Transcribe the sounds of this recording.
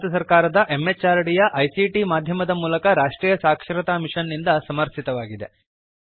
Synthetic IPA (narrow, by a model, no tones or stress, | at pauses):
t̪ɐsɐɾkaːɾɐd̪ɐʔemːet͡ʃːaːɾɐɽijɐʔɐjsiʈimaːd̪ʱjɐmɐd̪ɐmuːlɐkɐɾaːʂʈɾiːjɐsaːkʂɾɐt̪aːmiʂɐnːind̪ɐsɐmɐɾt̪it̪ɐʋaːɡid̪e̞̰